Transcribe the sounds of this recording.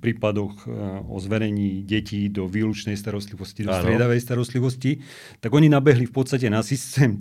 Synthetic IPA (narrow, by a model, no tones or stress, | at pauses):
pɾiːpad̪ɔɣɔ̰zʋɛɾɛɲiːɟɛciːd̪ɔʋiːlut͡ʃnɛjst̪aɾɔst̪liʋɔscid̪sɪɛd̪aʋɛjst̪aɾɔst̪liʋɔsci | t̪aɡɔɲinabɛɦlifpɔt̪st̪acɛnasist̪ɛːm